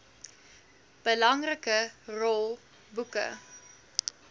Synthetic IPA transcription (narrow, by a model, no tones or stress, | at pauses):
b̥əlɐŋrəkərɔlˠ | bukə̰